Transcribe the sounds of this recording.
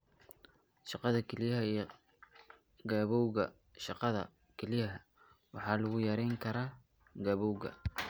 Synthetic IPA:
ʃɑqɑðɐkʰɛlɪjɐɦɐ | ɡaːβɔwɣɐ | ʃɑqɑðɐ̰ | kʰɛlɪjɐɦɐ | wɑħɑːlɐɣʊjɐɾɛjŋkʰɐɾaː | ɡaːβɔwɣɐ̰

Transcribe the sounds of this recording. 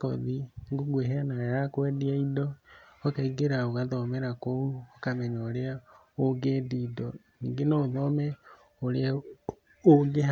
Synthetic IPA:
kɔðiŋɡoɡweɦeanaajakwɛdiaidɔːkaiɡeɾaoɣaðɔmɛɾakouɔkamɛɲaoɾea | oɡedidɔniːŋɡenɔoðɔmɛ | oɾea | oɡe

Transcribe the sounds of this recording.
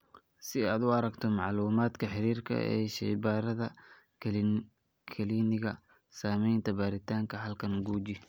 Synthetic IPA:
sɪaːd̪ʊɑɾɐɡt̪ʰɔmɑʕluːmaːd̪kʰɐħɪɾiːrkʰɐ̰ɛ̰ːʃɛjbaːɾɐðɐ | kʰɐliːnɪɣɐ | saːmɛjnt̪ʰɐbaːɾɪt̪ʰaːŋkʰɐɦɐlkʰɐnɡuːd͡ʒɪ

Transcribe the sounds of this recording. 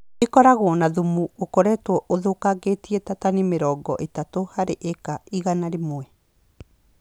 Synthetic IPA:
ekɔɾaɣwɔnaðumuokoɾɛtwɔʔoðokaɣetiɛtatanimeɾɔːɡɔʔetatohaɾeʔɛkaiɣanaɾemwɛ

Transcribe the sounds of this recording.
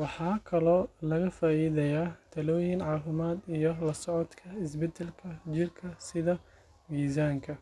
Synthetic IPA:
wɑħɑːkʰɐlɔːlɐɣɐfaːʔiːðɛjaːt̪ʰɐlɔːjɪnʕɑːfʊmaːd̪ijɞlɐsɔʕɔd̪kʰɐɪsbɛd̪ɛlkʰɐt͡ʃɪrkʰɐsɪðɐ | wiːzaːŋkʰɐ

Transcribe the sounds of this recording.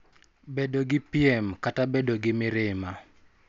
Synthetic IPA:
bedoɡɪpiɛmkatabedoɡɪmɪɾɪma

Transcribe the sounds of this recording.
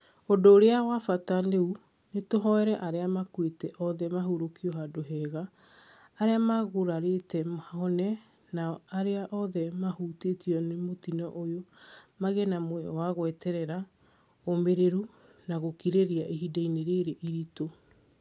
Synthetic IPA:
odoːɾeawafataneu | netoɦɔɛɾɛʔaɾeamakwetɛʔɔðɛmaɦuɾokiɔɦadoɦɛːɣaː | ɾeamaɣoɾaɾetɛmɔnɛ | naaɾeaʔɔðɛmahutetiɔnemotinɔʔojomaɣɛnamwɛɔ̰waɣwɛtɛɾɛɾa | omeɾeɾu | naɣokiɾeɾiaʔeɦidaineɾeɾeʔiɾito

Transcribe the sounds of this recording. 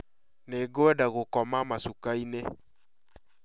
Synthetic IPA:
neɡoɛdaɣokɔmamasukaine

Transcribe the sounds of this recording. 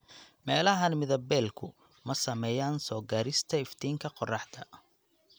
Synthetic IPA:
mɛːlɐɦɐnmɪðɐbɛːlkʰʊ | mɐsɐmɛːjaːnsɔːɡaːɾɪst̪ʰɐɪft̪ʰiːŋkʰɐqɔrɑħt̪ʰɐ

